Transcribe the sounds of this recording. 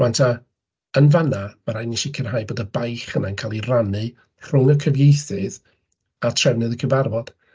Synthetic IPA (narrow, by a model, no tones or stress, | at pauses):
wantʰa | ənvanamaɾajnɪʃikʰənɦaːjboːdəbajχənankʰaːlˠiranɨ | r̥ʊŋəkʰəvjejθɨð | atʰrɛwnɛðəkʰəvarvɔd̥